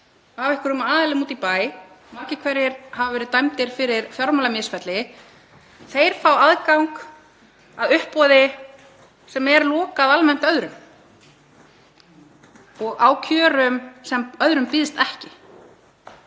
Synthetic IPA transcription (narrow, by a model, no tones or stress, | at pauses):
avɪhkɾʏmaːðɪlɪmuːt̪ipaːj | maːɾcɪkʰvɛɾjɪɾhavavɛɾɪðt̪ajmt̪ɪɾ̥fɪɾɪɾ̥fjɔɾmalamɪsfɛt̪lɪ | θejɾ̥fawaðkawŋk | aðʏhpːɔðɪ | sɛmɛɾlɔːkaːðalmɛn̥t̪œðɾʏm | ɔɣawcʰœːɾʏmsɛmœðɾʏmpɪːðɪst̪ɛhcɪ